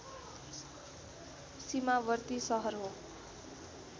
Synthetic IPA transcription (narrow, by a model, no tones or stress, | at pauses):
simabʌrt̪isʌɦʌrɦo